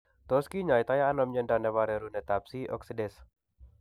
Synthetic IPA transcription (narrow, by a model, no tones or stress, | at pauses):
t̪ɔskiɲajt̪ajaːnɔmɲəndanɛwaɾeɾunet̪apsiɔ̰ksədɛs